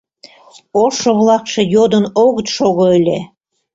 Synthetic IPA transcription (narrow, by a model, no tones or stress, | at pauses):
oʃoβlˠɑkʃĕjod̪ənoɣət̪ʃoɣoəlʲe